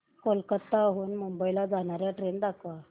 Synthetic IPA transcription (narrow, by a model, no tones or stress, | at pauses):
kolkət̪ːaɦuːnmumbəilad͡zaɽ̃aɾjaʈɾend̪akʰʋa